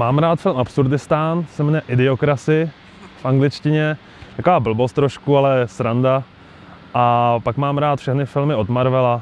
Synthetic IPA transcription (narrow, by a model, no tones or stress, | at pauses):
maːmɾaːt̪fɪlmʔapsuɾdɪst̪aːnsɛmnɛʔɪdɪokɾasɪ | fʔaŋɡlɪt͡ʃcɪɲɛ | jakovaːbl̩bo̞st̪ːɾoʃkualɛsɾanda | ʔapakmaːmɾaːt̪fʃɛxnɪfɪlmɪo̞d̪maɾvɛla